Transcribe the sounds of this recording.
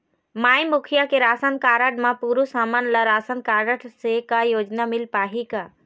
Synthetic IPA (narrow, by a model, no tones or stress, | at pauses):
maːjmʊkʰijakeɾaːsənkaːɾəʈmãpuːɾusaːmanləɾaːsənkaːɾəʈsekajoːd͡ʒnamɪlpaːɦika